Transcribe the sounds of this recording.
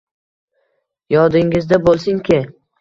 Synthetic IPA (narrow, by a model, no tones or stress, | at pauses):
jɒd̪ɪŋɪzd̪abolˠsɪŋkʲʰɪ